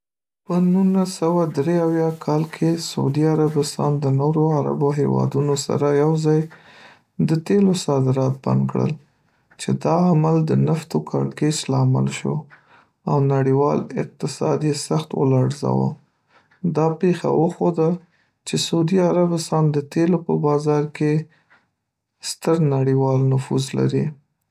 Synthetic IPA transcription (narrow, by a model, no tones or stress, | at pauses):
pənunasawad̪ɾeawjɑkʰɑlkʰesaud̪iaɾabɪst̪ɑnd̪ənoɾoaɾa̰boɦewɑ̰d̪unosa̰ɾajawzɑj | d̪ət̪elosɑd̪ɪɾɑt̪̚ba̰nd̪kɽə̰l | t͡ʃed̪ɑamald̪ənaft̪okʰɑɽket͡ʃlɑːma̰lʃo̰ | awnaɽiwɑlɪ̰q̚t̪ɪsɑd̪jesaxt̪wə̰lɑɽza̰wə̰ | d̪ɑpexa̰wəxod̪a | t͡ʃesaud̪iaɾabɪst̪ɑnd̪ət̪elopəbɑzɑɾke | st̪əɾnaɽiwɑlnʊfuzla̰ɾi